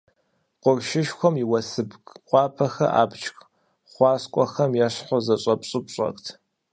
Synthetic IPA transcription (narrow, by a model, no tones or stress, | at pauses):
qʷʊrʃɪʃxʷɔmiwɐsɨbkʼqʷɑːpʰɐxɐ̰ʔa̰ːpt͡ʃʰx | χʷɑːskʷʼɔxɐmjɛɕħʷɔzɐɕʼɐpɕʼɨpɕʼɐ̰xʼtʰ